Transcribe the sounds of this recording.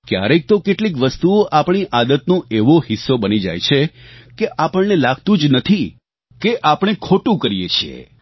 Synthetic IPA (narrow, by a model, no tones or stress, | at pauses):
kja̰ɾek̚t̪okeʈlik̬ʋəst̪uoʔapɳ̃iʔad̪ət̪nõʔeʋohisːobənid͡ʒa̰jt͡ʃʰekeʔapəɳnelaɡt̪ũd͡ʒnət̪ʰi | keʔapɽ̃ekʰoʈũkəɾijet͡ʃʰiḛ